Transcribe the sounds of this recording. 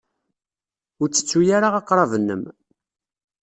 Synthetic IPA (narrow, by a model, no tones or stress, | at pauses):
ʊɾt͡sːə̥t͡sːujaɾaʁɑqɾˤɑvnːə̰m